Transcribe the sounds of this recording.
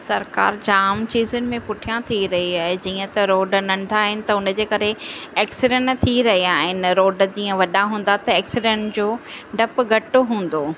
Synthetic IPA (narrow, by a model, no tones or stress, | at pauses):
sɐɾka̰ːɾd͡ʑaːmt͡ɕiːzʊnɪ̆mẽpʊʈʰijãt̪ʰiɾɐɦiaːɦed͡ʑiːə̃t̪ɐɾoːɖnɐ̃ɳɖ̪ʱaːɦɪnɪ̆t̪ɐʊnə̆d͡ʑeːkɐɾeɛːksɪɖɛ̃ɳt̪ʰiɾɐɦiaːɦɪnɪ̆ɾoːɖəd͡ʑiːə̃ʋɐɗaɦũːnd̪at̪ɐɛːksɪɖɛ̃ɳʈd͡ʑoː | ɖɐpɡʱɐʈoɦũːn̆d̪oː